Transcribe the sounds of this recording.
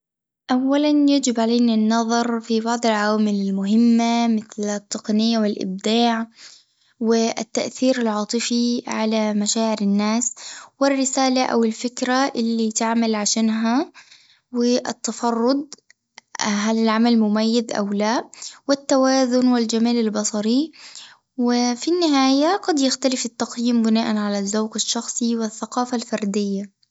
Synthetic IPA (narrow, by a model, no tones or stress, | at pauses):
ʔawːalanjad͡ʒɪbʕaleːnanːɑðˤɑɾˤfibɑʕd̪ˤɑlʕawaːmɪlɪlmʊɦɪmːamɪθlɪt̪ːɑqnɪjːawɪlʔɪ̰b̚d̪ɑːʕ | wɪʔɪ̰t̪ːaʔθiːɾɪlʕɑːt̪ˤɨfiʕalamaʃaːʕɪɾɪnːaːswɪrːɪsaːlaʔa̰wɪlfɪkɾaʔɪlːit̪ɪʕmalʕaʃaːnɦa | wɪʔɪ̰t̪ːɑfɑrˤːʊd̪̚ | ɦalɪlʕamalmʊmajːɪðʔa̰wlaʔwɪt̪ːawaːzʊnwɪld͡ʒamaːlɪlbɑsˤɑɾi | wɪfinːɪɦaːjaɡɑd̪jaxt̪alɪfɪt̪ːɑqjiːmbɪnaːʔanʕalazːawɡaʃːɑxsˤiwɪθːaqɑːfalfɑɾˤd̪ɪjːa